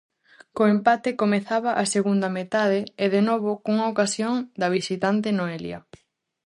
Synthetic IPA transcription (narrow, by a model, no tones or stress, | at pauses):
koempat̪ekomeθaβaʔaseɣund̪ɐmet̪að̞eeðenoβokuŋaokasjoŋd̪ɐβ̞isit̪ant̪enoelj̰ɐ̰